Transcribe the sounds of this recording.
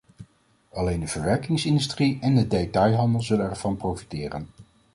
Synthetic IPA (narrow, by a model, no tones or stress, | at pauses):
ɑlejndəv̥əɹʋɛɹkɪŋsɪndystriɛndədejtɑjɦɑndəlˠzɵlənɛɹv̥ɑnprowfi̥tɪːrən